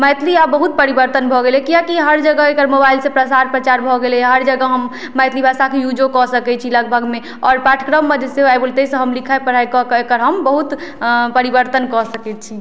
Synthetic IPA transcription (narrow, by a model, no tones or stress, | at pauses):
məjt̪liabəɦut̪̚pəɾibəɾt̪ənbʱɔɡelekiakiɦəɾd͡ʒəɡəekəɾmobailsẽpɾəsaɾpɾət͡ʃaɾbʱɔɡelɛɦəɾd͡ʒəɡəɦəmː | əjt̪libʱasakejud͡ʒokɔsəkɛt͡ʃʰiləɡ̚bʱəɡme | ɔːɾpaʈʰkɾəmːəd͡ʒeseajbult̪esə̃ɦəmlikʰaepəɾ̤ajkɔkekəɾɦəmbəɦut̪pəɾibəɾt̪ənkɔsəkɛt̪̚t͡ʃʰi